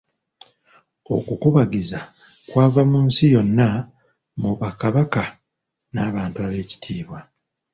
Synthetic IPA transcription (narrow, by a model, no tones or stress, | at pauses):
o̞̰kukuβaɡiza | kwaːvamuːnsijo̞nːa | muβakaβaka | naːβaːntuaβe̞ːci̥tʰiːβwa